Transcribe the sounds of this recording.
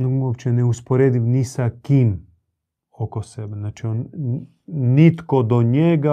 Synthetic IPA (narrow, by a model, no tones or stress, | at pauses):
nuopt͡ʃɛnɛuspoɾeːd̪imnisakim | okosɛbɛnat͡ʃion | nit̪kɔd̪oɲɛɡa